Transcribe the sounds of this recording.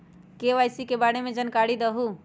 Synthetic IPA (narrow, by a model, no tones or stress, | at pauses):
keʋajsikebaɽemed͡ʒənkaɽid̪əɦu